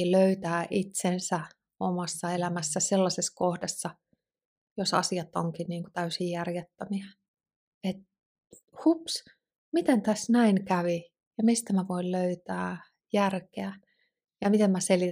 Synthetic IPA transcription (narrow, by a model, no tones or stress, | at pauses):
iløyt̪æːʔit̪sensæ | omɑsːɑelæmæsːæselːɑseskohdesːɑ | josɑ̰siɑt̪ːo̰ŋkinniːŋku̥t̪æysijjærjet̪ːæmiæ | et̪̚ | hups | mit̪ent̪æsnæiŋkæʋi | jɑmist̪æmæʋoilløyt̪æː | jærkeæ | jɑmit̪emmæseli